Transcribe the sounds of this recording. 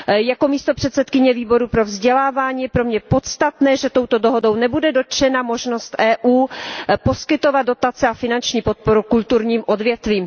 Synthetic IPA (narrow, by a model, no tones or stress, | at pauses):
jako̞miːst̪o̞pr̝̥ɛt̪sɛt̪kɪɲɛviːbo̞ɾupɾo̞vzɟɛlaːvaːɲiːpɾo̞mɲɛpo̞t̪st̪at̪nɛːʒɛt̪o̞wt̪o̞doɦo̞do̞wnɛbudɛdo̞t̪t͡ʃɛnamo̞ʒno̞st̪ʔɛːʔuːpo̞skɪt̪o̞vad̪dot̪at͡sɛafɪnant͡ʃɲiːpo̞t̪̚po̞ɾukult̪uɾɲiːmʔo̞dvjɛt̪viːm